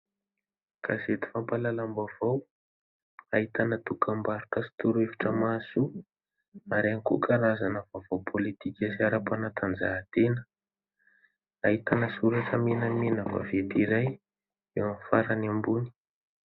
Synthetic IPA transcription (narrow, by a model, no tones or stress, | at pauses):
kʰa̰zet̪i̥fampalalambav̥aw | aɦit̪anət̪ukambaɾukəsi̥t̪uɾuefi̥ʈ͡ʂəmasu | aɾaŋikukaɾazanəvavopʰolit̪ikʲasiaɾapanat̪ʰand͡zat̪enə̥ | aɦit̪anəsuɾaʈ͡ʂəmenamenava̰vet̪iɾaj | ewamfaɾanambuni̥